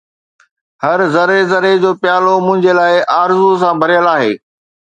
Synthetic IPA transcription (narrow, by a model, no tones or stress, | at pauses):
hɐɾzɐɾezɐɾed͡ʑoːpjaːlomʊ̃ɦɪ̃ɲd͡ʑelaːɪʔaːɾzus̬ãbʱɐɾijəlaːɦḛː